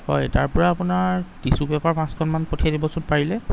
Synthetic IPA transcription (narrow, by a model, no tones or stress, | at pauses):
hɔ̰jtaɹpɔɹaːpʊnatisubɛpaɹpãskʰɔnmanpotʰijadibɔsʊnpaɹilɛ